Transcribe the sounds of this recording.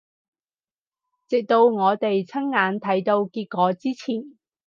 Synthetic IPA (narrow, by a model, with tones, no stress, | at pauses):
t͡sɪ˨k̚t̪o˧wŋɔː˨˧t̪e˨jt͡sʰɐ˥ŋŋaː˨˧nt̪ʰɐ˨˥jt̪o˧wkiː˧t̚kʷɔː˨˧t͡siː˥t͡sʰiː˨˩n